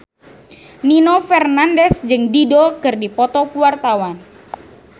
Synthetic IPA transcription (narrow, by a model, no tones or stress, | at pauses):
ninofɛrnandɛsd͡ʒɨŋdidɔkɨrdipɔt̪ɔkuwart̪awan